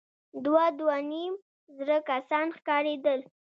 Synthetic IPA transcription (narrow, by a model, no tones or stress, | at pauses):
d̪wad̪wanim | zɾəkasɑnxkɑɾed̪əl